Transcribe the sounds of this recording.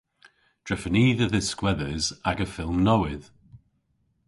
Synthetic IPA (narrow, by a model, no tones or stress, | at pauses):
d̥ɹɛfəniːðəðəskwɛðəzaɡəfɪlˠmnɔwɪð